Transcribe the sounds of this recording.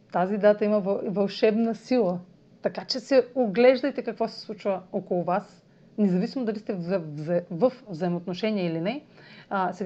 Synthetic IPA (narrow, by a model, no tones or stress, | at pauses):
t̪azid̪at̪əimɐvvɐlˠʃɛbnɐsilˠə | t̪ɐkat͡ʃɛsɛoɡlɛʒd̪əjt̪ɛkɐkvɔsɛ̥slˠut͡ʃvəokolˠʊvas | nɛzɐvisimod̪ɐlist̪ɛvzvəfvzɐimot̪noʃɛniɛilinɛ | sɛ